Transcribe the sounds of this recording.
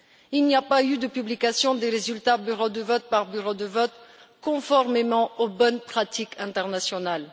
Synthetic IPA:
ilniapayd̪əpyblikasjɔ̃d̪eʁezylt̪abyʁod̪əvɔt̪̚paʁbyʁod̪əvɔt̪kɔ̃fɔʁmemɑ̃obɔnpχat̪ikɛ̃t̪ɛʁnasjɔnal

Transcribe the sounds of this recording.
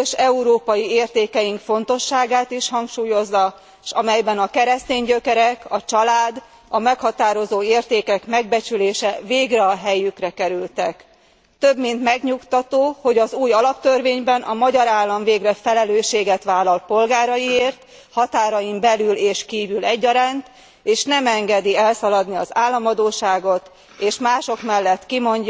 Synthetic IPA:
øʃɛuɾoːpɒjieːrt̪eːkɛjiŋkfo̞nt̪o̞ʃːaːɡaːt̪iʃhɒŋkʃuːjo̞zːɒ | ʃɒmɛjbɛnɒkɛɾɛst̪eːɲɟø̞kɛɾɛkɒt͡ʃɒlaːd̪ | ɒmɛkhɒt̪aːɾo̞zoːeːrt̪eːkɛkmɛɡ̚bɛt͡ʃyleːʃɛveːɡrɛɒɦɛjykrɛkɛɾylt̪ɛk | t̪øbmint̪mɛɡɲukt̪ɒt̪oːho̞ɟɒzuːjɒlɒp̚t̪ørveːɲbɛnʔɒmɒɟɒɾaːlːɒɱveːɡrɛfɛlɛløːʃːeːɡɛt̪ʋaːlːɒlpo̞lɡaːɾɒjieːrt̪ | hɒt̪aːɾɒjimbɛlyleːʃkiːvylɛɟːɒɾaːnt̪ | eːʃnɛmɛŋɡɛd̪iɛlsɒlɒd̪niɒzaːlːɒmɒd̪oːʃaːɡo̞t̪ | eːʃmaːʃo̞kmɛlːɛt̪kimo̞ɲɟ

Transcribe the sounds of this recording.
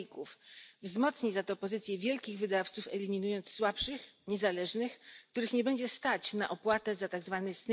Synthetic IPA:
kufvzmɔt̪sɲizat̪ɔpɔzɘt̪sʲjɛvʲjɛlkʲiɣvɘd̪aft̪sufɛlʲimʲinujɔnt̪sːwapʂɘxɲɛzalɛʐnɘxkt̪uɾɘxɲɛbɛɲd͡ʑɛst̪at͡ɕnaʔɔpwat̪ɛzat̪aɡzvanɛsn

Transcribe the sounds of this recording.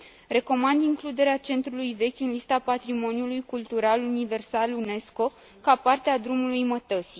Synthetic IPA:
re̞ko̞mand̪iŋklud̪e̞ɾeat͡ʃe̞nt̪ɾulujve̞kʲɨnlist̪apat̪ɾimo̞njulujkult̪uɾalunive̞rsalune̞sko̞ | kapart̪ead̪ɾumulujmət̪əsi

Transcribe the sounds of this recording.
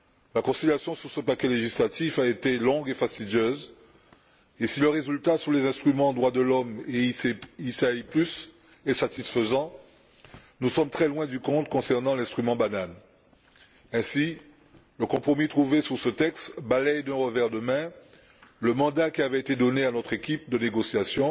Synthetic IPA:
lakɔ̃siljasjɔ̃syʁsəpakʲɛleʒislat̪ifaet̪elɔ̃ɡefast̪id̪jøz | esiləʁezylt̪asulezɛ̃st̪χymɑ̃d̪ʁwad̪əlɔmeisaiplys | ɛsat̪isfəzɑ̃ | nusɔmt̪χɛlwɛ̃d̪ykɔ̃t̪kɔ̃sɛʁnɑ̃lɛ̃st̪χymɑ̃banan | ɛ̃si | ləkɔ̃pχɔmit̪χuvesyʁsət̪ɛkst̪balɛjd̪ɛ̃ʁəvɛʁd̪əmɛ̃ | ləmɑ̃d̪akʲiavɛet̪ed̪ɔneanɔt̪χekʲip̚d̪əneɡɔsjasjɔ̃

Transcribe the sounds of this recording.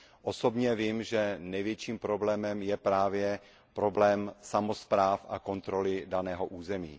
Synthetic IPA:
ʔosobɲɛvɪmʒɛnɛjvjɛt͡ʃiːmpɾo̞blɛːmɛmjɛpɾaːvjɛ | pɾo̞blɛːmsamospɾaːfʔako̞nt̪ɾo̞lɪdanɛːɦoʔuːzɛmḭː

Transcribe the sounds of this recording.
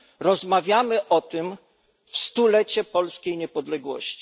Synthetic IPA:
ɾɔzmavʲjamɘʔɔt̪ɘm | fst̪ulɛt͡ɕɛpɔlskʲejɲɛpɔd̪lɛɡwɔ̰ɕt͡ɕi̥

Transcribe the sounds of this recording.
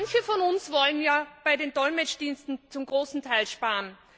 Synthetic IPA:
nçəfɔnʊnsvɔlənjaːb̥aɪdeːndɔlmɛt͡ʃd̥iːnstn̩t͡sʊmɡʁoːsn̩tʰaɪlʃpaːn

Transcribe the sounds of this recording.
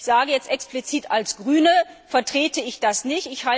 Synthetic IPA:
z̥aːɡəjɛt͡stʔɛksplit͡siːtalsɡ̥ʁyːnəfɛɐtʁ̥eːtəɪçd̥asnɪçtɪçha

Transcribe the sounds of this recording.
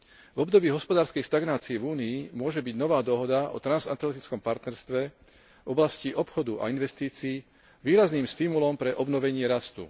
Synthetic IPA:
vɔbd̪ɔbiːɦɔspɔd̪aːɾskɛjʃt̪aɡnaːt͡siɛvuːniːmʊɔʒɛbiɟnɔʋaːd̪ɔɦɔd̪aʔɔ̰t̪ɾanzant̪lɛt̪it͡skɔmpaɾt̪nɛɾst̪ʋɛ | vɔblasciʔɔpxɔd̪uʔa̰inʋɛst̪iːt͡siː | ʋiːɾazniːmst̪imulɔmpɾɛʔɔbnɔʋɛɲɪɛɾast̪ṵ

